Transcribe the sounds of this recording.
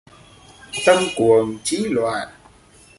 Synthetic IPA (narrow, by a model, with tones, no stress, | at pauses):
t̪ə˧mku˨˩əŋt͡ɕi˨˦˥lwa̰ː˧˨t̚